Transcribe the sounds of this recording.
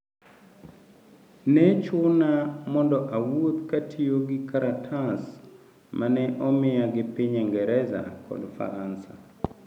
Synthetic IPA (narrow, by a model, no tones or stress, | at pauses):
nɛt͡ʃʊnamɔndɔʔawot̪katʰioɡɪkaɾatʰas | manɛʔɔmɪaɡɪpiɲɛŋɡɛɾɛza̰kʰɔ̰dfa̰ɾansa